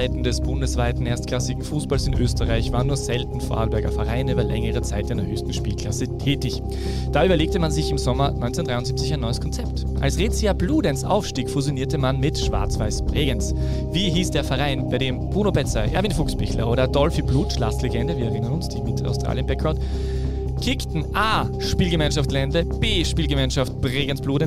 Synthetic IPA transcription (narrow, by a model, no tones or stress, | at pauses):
ɪtn̩dɛsb̥ʊndəsv̥aɪtn̩eːɐstkʰl̥asɪɡŋ̩fuːsb̥alsɪnʔø̰ːstəʁaɪçv̥aːənːuːɐzɛltn̩foɐʔa̰lbɛɐɡɐ̰fɛʁaɪnyːbɐlɛŋəʁət͡saɪtanndəɐhøːçstn̩ʃpiːlkʰl̥asətʰɛːtɪç | d̥aːʔyːbɐleːktəmanzɪçɪmzɔmɐnɔ̰ʏnt͡sɛndʁaɪʊntzip̚t͡sɪçaɪnːɔʏəskʰɔnt͡sɛpt | ʔa̰lsʁeːt͡siabluːdɛnsʔa̰ʊfʃtiːkfuzjoniːɐtəmanmɪtʃv̥a̰ɐt͡sv̥aɪspʁeːɡənsv̥iːɦiːsd̥eːɐfɛʁaɪnbaɪdeːmb̥ʁuːnobɛt͡saɪʔɛ̰ɐvinfʊkspɪçlɐ̰ʔoːɾɐdɔlfibluːtʃlastleɡɛndəviːɐɛʁɪnɐnʊnsd̥iːmɪtʰa̰ʊstʁ̥a̰ːljənbɛkʰʁaʊt | kʰɪktn̩ʔaːʃpiːlɡəmaɪnʃaft̚ɡ̥lɛndəb̥eːʃpiːlɡəmaɪnʃaft̚b̥ʁeːɡənsb̥luːdən